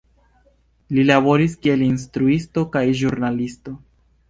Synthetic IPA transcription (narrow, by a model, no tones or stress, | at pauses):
lilaβo̞ɾiskie̞lins̬tɾuisto̞kajʒuɾnalisto̞